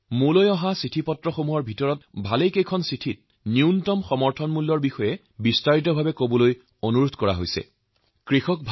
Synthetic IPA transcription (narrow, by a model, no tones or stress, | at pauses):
mulojɔɦasitʰipɔtɹɔxomuɦɔɹbʱitɔɹɔt̚bʱalejkejkʰɔnsitʰit̚ | niuntɔmxɔmɔɹtʰɔnmulːɔɹbixɔjɛ | bistaɹit̬ɔbʱabɛkobɔloj | onuɹodʱkɔɹa̰ɦojsɛ̰ | kɹixɔk̚bʱ